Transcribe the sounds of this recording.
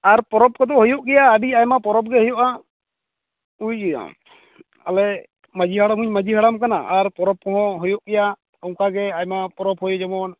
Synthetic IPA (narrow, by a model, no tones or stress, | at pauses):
aɾpɔɾɔp̚kɔd̪ɔɦɔjɔʔɡɛjaːbiajmapɔɾɔp̚ɡɛɦɔjɔʔa | uja̰ | alɛ | məd͡ʒiɦaɽamuɲməd͡ʒʱiɦaɽamkanaʔaɾpɔɾɔp̚kɔɦɔ̃ɦɔjɔʔɡɛja | ɔwkaɡɛajmapɔɾɔpɦɔjɔd͡ʒɔmɔn